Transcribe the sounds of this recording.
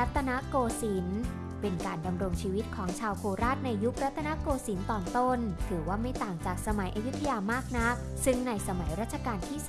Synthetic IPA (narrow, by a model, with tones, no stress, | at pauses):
ɾa˦˥t̪ʰːa˧na˦˥koː˧si˩˦n | pe˧nkaː˧nda˧mɾo˧ŋt͡ɕʰiː˧wi˦˥t̪̚kʰɔː˩˦ŋt͡ɕʰaː˧wpʰuː˧ɾaː˥˩t̪̚na˧jːu˦˥k̚ɾa˦˥t̪ʰːa˧na˦˥koː˧si˩˦nt̪ɔː˨˩nt̪o˥˩nt̪ʰɯː˩˦waː˥˩ma˥˩jt̪aː˨˩ŋt͡ɕaː˨˩k̚sa˧ma˨˩˦jʔa˧ju˦˥t̪ʰːa˧jaː˧maː˥˩k̚na˦˥k̚ | sɯ˥˩ŋna˧jsa˧ma˩˦jɾaː˥˩t̪̚t͡ɕʰa˧kaː˧nt̪ʰiː˥˩s